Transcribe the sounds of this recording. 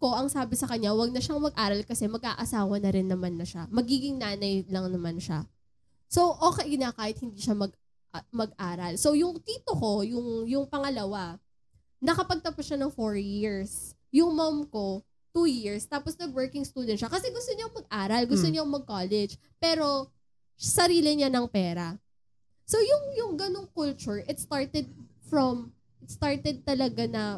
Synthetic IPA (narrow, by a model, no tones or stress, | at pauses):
ko̞ʔɐŋsaːbɪsɐkɐɲːawɐɡ̚nɐʃaŋmɐɡ̚ʔaːɾɐlkɐsɛmɐɡ̚ʔaːʔɐsaːwɐnɐɾɪnːɐmanːɐʃamɐɡiːɡɪŋnaːnɐjlɐŋnɐmanʃa̰ | soʔoːkɛjnɐkaːhɪt̪̚hɪnd̪iːʃamɐɡ̚ | ʔmɐɡʔaːɾɐlso̞wjʊŋt̪iːt̪oko̞jʊŋjʊŋpɐŋɐlɐwa | nɐkɐpɐɡ̚t̪ɐpʊsʃanɐŋfoɹjiɹs | jʊŋmɐmko̞ | t̪uːjiɹst̪aːposnɐɡwɛɹkɪŋst̪uːd̪ɛn̚ʃɐkɐsɛɡʊst̪oɲamɐɡ̚ʔaːɾɐlɡʊst̪oɲamɐɡ̚kolɛd͡ʒ | pɛːɾo̞ | sɐɾiːlɪɲanɐŋpɛːɾɐ | sowjʊŋjʊŋɡɐnoŋkʊlt͡ʃʊɹʔɪt̪̚st̪aɹt̪ɛd̪̚ | fɹɐm | ʔɪt̪st̪aɹt̪ɛd̪̚t̪ɐlɐɡanɐ